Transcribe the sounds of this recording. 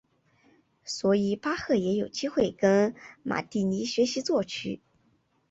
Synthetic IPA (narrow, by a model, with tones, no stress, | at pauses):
swɔ˧˥i˨˩pa˥xɤ˥˩jɛ˧˥jo˨˩ʊt͡ɕi˥xwe˥˩ɪkə˥nma̰˨˩t̪i˥˩ni˧˥ɕɥɛ˧˥ɕi˧˥t͡swɔ˥˩t͡ɕʰy˧˥